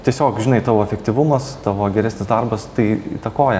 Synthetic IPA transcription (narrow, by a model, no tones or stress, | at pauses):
t̪ʲiɛsʲoːkʒʲɪnɐɪt̪ɑːʋoːɛfʲɛkt̪ʲiʋʊmɐst̪ɑːʋoːɡʲɛɾʲæsnʲɪsd̪ɐrbɐst̪ɐɪḭːt̪ɐkoːjɛ